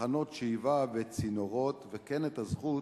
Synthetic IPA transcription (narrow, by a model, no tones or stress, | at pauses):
ano̞t̪ʃeivabet͡sinoʁot̪vekɛnet̪azχu